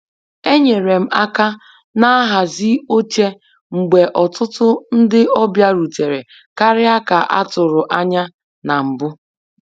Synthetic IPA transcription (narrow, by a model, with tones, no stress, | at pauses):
e˦ɲe˨ɾe˨m̩˦a˦ka˦ | na˦a˦ɦa˨zi˦o˦t͡ʃe˦ | ŋ͡m̩˨ɡ͡be˨ʔɔ˨tʊ˦tʊ˦n̩˦dɪ˦ʔɔ˦bja˦ɾu˨te˨ɾe˨ | ka˦ɾɪ˦a˦ka˨ʔa̰˦tʊ˨ɾʊ˨ʔa˦ɲa˦ | na˨m̩˨bʊ˦